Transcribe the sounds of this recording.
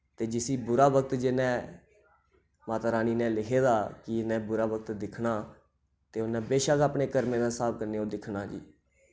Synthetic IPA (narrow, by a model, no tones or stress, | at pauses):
t̪eːd͡ʒɪsiːbʊɾaːʋək̚t̪d͡ʒɪnɛ̃ː | maːt̪aːɾaːniːnɛ̃ːlɪkʰeːd̪aːkɪnɛ̃ːbʊɾaːʋəkt̪d̪ɪkʰnaː | t̪eːʊnɛ̃ːbeːʃaːkaːpɳeːkəɾmeːd̪aːsaːb̚kəɾneːoːd̪ɪkʰnaːd͡ʒḭː